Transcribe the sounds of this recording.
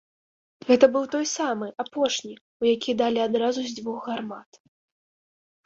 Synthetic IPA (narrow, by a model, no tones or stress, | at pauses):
ɣɛt̪ɐbɨwt̪ɔjsamɨʔapɔʂnʲi | ujakʲid̪alʲiad̪ɾazuzʲd͡zʲvuɣɣarmat̪